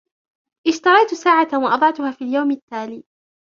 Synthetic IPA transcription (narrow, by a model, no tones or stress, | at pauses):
ʔɪʃt̪ɑɾˤɑjt̪ʊsaːʕawɑʔɑd̪ˤɑʕt̪ʊhaːfiːljawmat̪ːaːliː